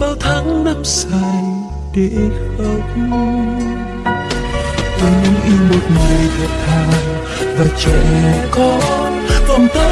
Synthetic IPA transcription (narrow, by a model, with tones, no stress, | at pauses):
ɓaː˧˩wt̪ʰaː˨˦ŋna˧msaː˧˩j | ɗe˧˩xə˧˩k͡p̚ | kɔ˨˦ɲɨ̰˧˦ŋʔi˧nɓo˨˩t̚ŋɨ˨˩əjvɔ˨˩t̚t̪ʰaː˨˩w | vaː˨˩t͡ɕɛ̰˧˨kɔ˨˦ | hə˨˩ŋ͡mt̪ə˨˦